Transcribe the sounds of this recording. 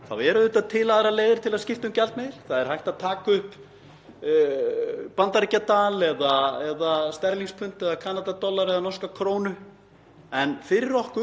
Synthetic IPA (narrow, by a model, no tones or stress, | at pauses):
θa̰wɛɾʏðʏːt̪aðt̪ʰɪlaðɾaleːjðɪɾ̥t̪ʰɪlaðscɪft̪ʏmcalt̪mɛðɪɾ̥θaðɛɾ̥hajht̪aðt̪ʰaːkʏhp | pant̪aɾcat̪alɛðaɛðast̪ɛɾliŋspʰʏnt̪ɛðakʰaːnat̪at̪ɔlːaɾɛðanɔrskakʰɾoːwnʏ | ɛnfɪɾɪɾɔhkʏ